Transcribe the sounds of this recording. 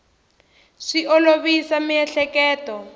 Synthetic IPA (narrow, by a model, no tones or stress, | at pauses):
ʂiʔɔloβisamiɛɬɛkɛːtɔ